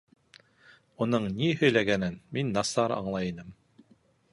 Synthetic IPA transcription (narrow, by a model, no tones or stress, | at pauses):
unɤɴnihɵ̆jlæɡænɘnminːɑsɑɾɑ̰ɴlˠɑjinɤm